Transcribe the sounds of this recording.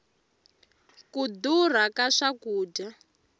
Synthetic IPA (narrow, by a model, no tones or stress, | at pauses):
kudur̤akaʂakuːd͡ʒa